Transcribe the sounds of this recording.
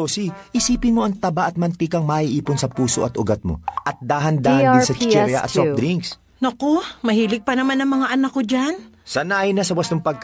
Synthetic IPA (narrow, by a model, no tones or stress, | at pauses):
osiʔɪsiːpɪnmo̞ʔɐŋt̪ɐbaʔɐt̪̚mɐnt̪ikɐŋmɐʔiʔiːponsɐpuːsoʔɐt̪ʔʊɡɐt̪̚mo̰ʔɐt̪̚d̪aːɦɐnd̪aːhɐnsɐt͡ʃɛɾjɐ̰ʔɐ̰sop̚d̪ɾiŋks | nɐkomɐhiːlɪɡ̚pɐnɐmanɐŋmɐŋaʔɐnakːod͡ʒan | sɐnaːjɪnɐsɐbɐst̪oŋpɐɡ̚k